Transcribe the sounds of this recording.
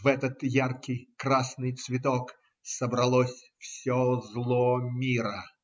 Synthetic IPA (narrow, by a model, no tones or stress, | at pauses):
vɛt̪ət̪jarkʲɪjkɾasnɨjt̪svʲɪt̪ok | səbɾɐlˠosʲfsʲozlˠomʲiɾə